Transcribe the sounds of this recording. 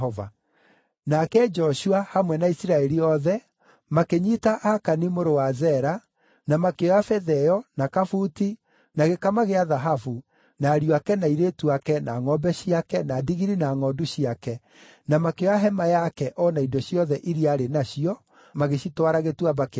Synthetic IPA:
ɔva̰ | nakɛd͡ʒɔʃuahamwɛnaisiɾaɛɾiɔðɛ | makeɲitaʔakanimoɾowazɛɾa | namakeɔafɛðɛɔnakafuti | naɣekamaɣeaðaɦafu | naːɾiakɛnaiɾetuakɛnaŋɔbɛɕiakɛnadiɣiɾinaŋɔduɕiakɛ | namakeɔaɦɛmajakɛʔɔnaidɔɕijɔðɛʔiɾiaɾenaɕiɔ | maɣeʃitwaɾaɣetwabak

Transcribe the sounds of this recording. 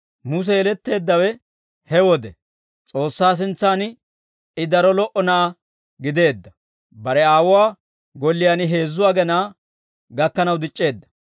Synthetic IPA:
mʊs̬ɛɛlɛt̪ːe̞ːd̪ːɐwɛ | hɛwɔd̪ɛ | t͡sʼo̞ːsːaːs̬ɪnt͡sːaːnɪ | ɪd̪ɐɾɔlɔʔɔnɐʔɐ | ɡɪd̪e̞ːd̪ːɐ | bɐɾɛaːwʊwaː | ɡɔlːɪjaːnɪɦe̞ːzːʊwaːɡɛnaː | ɡɐkːɐnɐwd̪ɪt͡ʃʼːe̞ːd̪ːɐ̥

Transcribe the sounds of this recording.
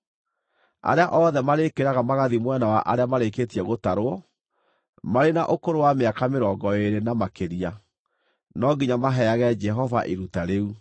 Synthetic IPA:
a̰ɾeaʔɔðɛmaɾekeɾaɣamaɣaðimwɛnawaʔa̰ɾeamaɾeketiɛɣotaɾoɔ | maɾenaʔokoɾowameakameɾɔːɡɔeɾenamakeɾia | nɔɡiɲamaɦɛaɣɛd͡ʒɛɦɔvaʔiɾutaɾeu

